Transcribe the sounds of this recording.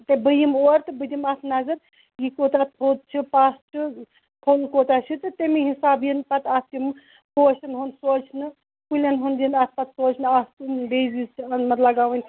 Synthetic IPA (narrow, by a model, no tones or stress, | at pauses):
t̪ebɨjimoɾt̪ɨbɨd̪ʲimɐt̪ʰnɐzɐɾ | jikoːt̪at̪̚pʰot̪̚t͡ʃʰipasʈɨ | pʰonkoːt̪at͡ʃʰit̪ɨt̪emiɦisaːbjinpɐt̪ɐst̪im | poːt͡ʃɐnɦunsoːt͡ʃʰnɨ | pulʲenɦund͡ʒinɐt̪̚ʰpɐt̪soːt͡ʃʰnɨast̪umbezist͡ʃɐnmɐt̪lɐɡaʋɨnʲ